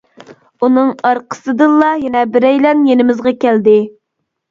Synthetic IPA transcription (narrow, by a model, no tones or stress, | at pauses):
unɨŋɑɾqʰə̥sɨd̪ɨɑjɛnɛbɪɾɛjlɛnjenɪmɪzʁɑkʲæld̪ɪ